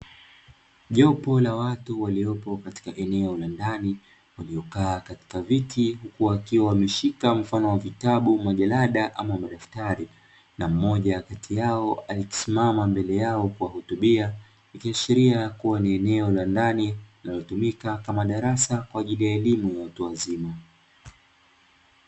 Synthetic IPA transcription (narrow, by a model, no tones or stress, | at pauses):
ʄɔpɔlawatuwaliɔpɔkati̥kaʔɛnɛɔlandani | waliɔkaːkati̥kavitʰihukuakiwawamɛʃikam̩fanɔwavitaɓumaʄalaɗaʔamamaɗaftaɾi | nam̩mɔʄakatʰijaɔaliki̥simamambɛlɛjaɔkuwahutuɓia | nikiaʃiɾiajkuwaniɛnɛɔlandanilinalɔtumikakamaɗaɾasakwaːʄilijaɛlimujawatuazima